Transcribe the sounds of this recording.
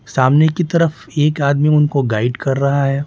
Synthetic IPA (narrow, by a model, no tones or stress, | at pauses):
saːmnekit̪ɐɾəf | eːkaːd̪miʊnkoɡaːɪɖkɐɾːɐɦaɦɛː